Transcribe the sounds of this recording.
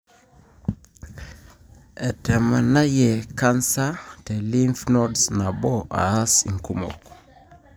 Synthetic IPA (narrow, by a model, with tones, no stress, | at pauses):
ɛ˨tɛ˨ma˨na˦jɛ˨ka˦nsa˦te˨li˦nfnɔ˦dsna˨bɔ˦a̰˨a˦sḭ˨ŋku˦mo̰˨k